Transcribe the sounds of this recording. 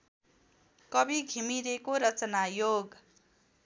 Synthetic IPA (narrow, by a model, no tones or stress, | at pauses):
kʌbiɡʱimiɾekoɾʌt͡sʌnajoɡ